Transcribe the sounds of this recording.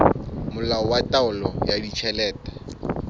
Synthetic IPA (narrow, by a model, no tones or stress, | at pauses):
mʊlaɔwatʼaʊlɔjadit͡ʃʰɛlɛːtḁ